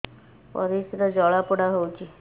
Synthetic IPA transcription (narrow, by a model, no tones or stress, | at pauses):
pɔ̰ɾisɾəd͡ʑɔɭapuɽaɦowt͡ʃi